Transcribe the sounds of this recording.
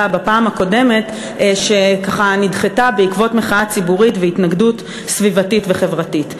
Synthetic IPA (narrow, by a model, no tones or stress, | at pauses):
abapaːmhako̞de̞me̞t | ʃe̞kaχanidχetabeikvo̞tmeχaat͡sibuʁitveitnaɡdut | svivatitveχe̞vʁatit